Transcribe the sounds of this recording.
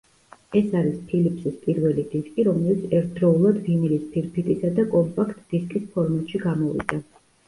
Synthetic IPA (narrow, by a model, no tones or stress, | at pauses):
ɛsaɾispʰilipʰsispʼiɾvɛlid̪iskʼiɾɔmɛlit̪sʰɛɾt̪ʰd̪̥ɾɔulˠad̪vimilispʰiɾpʰit̪ʼisad̪akʼɔmpʼakʰt̪ʼd̪̥iskʼispʰɔɾmat̪ʼʃiɡamɔvḭd̪a